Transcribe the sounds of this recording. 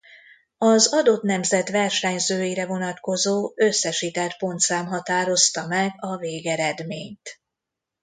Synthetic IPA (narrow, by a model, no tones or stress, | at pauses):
ɒzɒd̪o̞t̪nɛmzɛt̪vɛrʃɛɲzøːjiɾɛvo̞nɒt̪ko̞zoːøsːɛʃit̪ɛlt̪̚po̞nt̪saːmɦɒt̪aːɾo̞st̪ɒmɛɡɒveːɡɛɾɛd̪meːɲt̪